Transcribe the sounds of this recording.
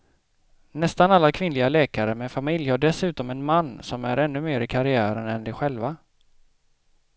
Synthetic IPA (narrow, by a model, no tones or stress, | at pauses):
nɛst̪analːakʰvɪnlɪɡalɛːkaɾəmɛfamɪljhaɖɛsʉ̟ːt̪ɔmɛnmanːsɔmæ̰ɾɛnːɵmeːɾɪkʰaɾɪæːɾənɛnd̪ɛɧɛlva